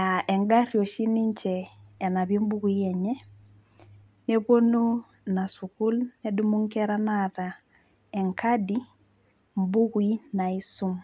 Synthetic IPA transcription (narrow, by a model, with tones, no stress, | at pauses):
a˨ɛ˨ŋɡa˦rjo˨ʃi˦ni˦ɲt͡ʃɛː˨na˨bjo˦m˦bu˦ku˨˦i˦ɛ˨ɲɛ˦ | ne˦po˦nu˦ | na˨su˨ku˦lnɛ˦du˦mu˦ŋkɛ˦ɾa˦nata˨ | ɛ˨ŋkʰa˦di˦ | m˦bu˦kui˦na˨i˦su˦m